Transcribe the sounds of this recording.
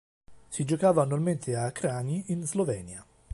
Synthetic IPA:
sid͡ʒokaːvaːnːualment̪ʰeakɾaːniinzlovɛːnja

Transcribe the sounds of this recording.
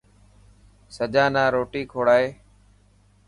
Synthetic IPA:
səd͡ʒãːnãːɾoːʈiːkʰoːɽaːɦeː

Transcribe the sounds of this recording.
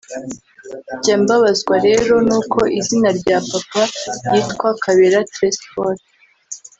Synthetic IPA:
ɟaːmbaβazɡwaɾe̞ːɾo̞nuːkʰo̞ʔizinaɾɟaːpapajiːtkwakʰaβeɾatɾespoɾ

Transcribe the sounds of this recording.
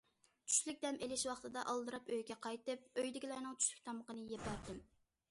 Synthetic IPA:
t͡ʃʰy̥ʃlyk̚ʲd̪ɛmʔelɪʃwɑχt̪ɨd̪ɑʔɑlˠd̪ɨɾɑpøjɡʲɛqʰɑjt̪ɨp̚øjd̪ɪɡʲilɛɾnɨŋt͡ʃʰy̥ʃly̥k̚ʲt̪ʰɑməqənɨjepæɾd̪ɪm

